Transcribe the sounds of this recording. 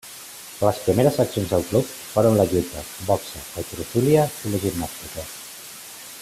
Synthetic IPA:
ləspɾimeɾəzəksionzðəlˠklup̚ | foɾunləʎut̪əbɔksəət̪uɾusuliəiləʒibnast̪ikə

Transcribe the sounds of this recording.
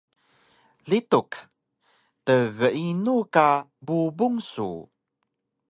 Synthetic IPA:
lituk | təɣəinukabubuŋsṵ

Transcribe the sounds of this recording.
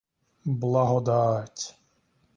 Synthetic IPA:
blˠaɦɔd̪aːtʲ

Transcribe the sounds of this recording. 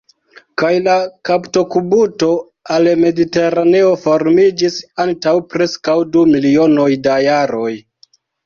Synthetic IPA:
kajlakapto̞kubuto̞ | alme̞dite̞ɾane̞o̞fo̞ɾmid͡ʒisantawpɾe̞skawdumilio̞no̞jdajaɾo̞j

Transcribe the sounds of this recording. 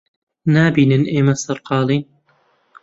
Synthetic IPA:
naːbiːnɨnʔeːmɐsɐɾqʰɑːlˠiːn

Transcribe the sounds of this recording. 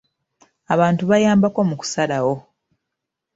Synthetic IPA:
aβaːntuβajaːmbako̞muku̥salawo̞

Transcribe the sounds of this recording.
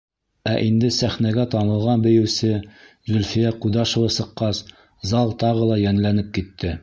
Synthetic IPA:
æʔind̪ɘsæχnæɡæt̪ɑnɤ̆lˠʁɑnbɘ̆jɘ̆wsɘ | zɵlfijæqud̪ɑʃŏwɤsɤ̆qːɑs | zɑlˠt̪ɑʁɤlˠɑjænlænɘp̚kit̪ːɘ

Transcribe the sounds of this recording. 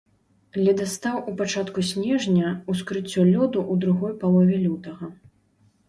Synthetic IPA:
lʲɛd̪ɐst̪awupat͡ʂat̪kusʲnʲɛʐnʲɐuskɾɨt͡sʲːɔlʲɔd̪uʔud̪ɾuɣɔjpalˠɔvʲɛlʲut̪ɐɣɐ

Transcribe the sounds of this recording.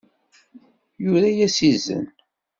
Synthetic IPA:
jʊɾæjæsizːə̰n

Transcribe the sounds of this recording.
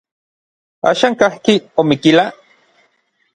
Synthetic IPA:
a̰ːʃaːŋkahkiomikila

